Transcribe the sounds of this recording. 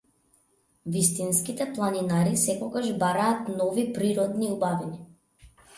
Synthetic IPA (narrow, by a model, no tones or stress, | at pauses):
vist̪inskit̪ɛplˠaninaɾisɛkɔɡaʒbaɾaːt̪nɔvipɾiɾɔd̪niubaviɲa